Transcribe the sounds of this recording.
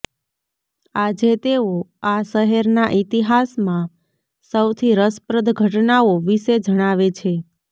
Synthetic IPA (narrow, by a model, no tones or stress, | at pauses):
ad͡ʒet̪eoaʃəɦɛɾnaʔit̪iɦasmã | səwt̪ʰiɾəspɾəd̪ʱɡʱəʈnaoʋiʃed͡ʒəɽ̃aʋet͡ʃʰe